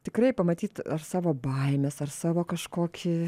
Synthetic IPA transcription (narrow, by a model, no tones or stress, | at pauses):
t̪ʲɪkɾɐɪpɐmɐt̪ʲiːt̪ɐrsɑːʋoːbɐɪmʲɛsɐrsɑːʋoːkɐʃkoːkʲʰɪ